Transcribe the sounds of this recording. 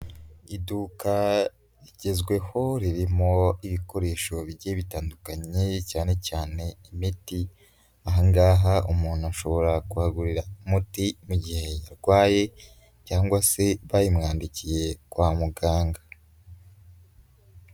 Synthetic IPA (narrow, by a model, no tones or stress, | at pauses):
iduka | ɾiɟe̞zɡwe̞ho̞ɾiɾimo̞iβiko̞ɾe̞ːʃo̞βiɟeβitaːndukaɲecaːne̞caːne̞imiti | aɦaŋɡaːɦaʔumuːnuaʃo̞βo̞ɾakuhaɡuɾiɾamutimuɟihe̞jaɾɡwaːje̞ | caːŋɡwase̞βajimŋaːndicije̞kwaːmuɡaːŋɡa